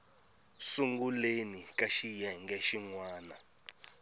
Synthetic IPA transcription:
suŋɡulenikaʃijɛŋɡɛʃiŋwaːna

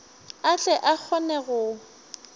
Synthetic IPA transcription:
at͡ɬʼɛʔak͡xʰɔnɛɣʊ

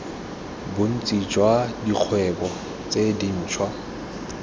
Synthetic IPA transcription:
bʊn̩t͡sʼid͡ʒwadiq͡χʰwɛbɔ | t͡sedin̩ːt͡ʃʰwa

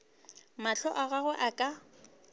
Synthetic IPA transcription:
maɬʰɔʔaɣaɣʊʔakʼa

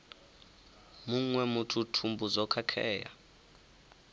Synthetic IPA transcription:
muŋwɛmutʰutʰumbuzɔkʰakʰɛːja̰

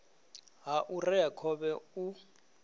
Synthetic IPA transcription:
ɦaʔurɛjakʰɔbɛu

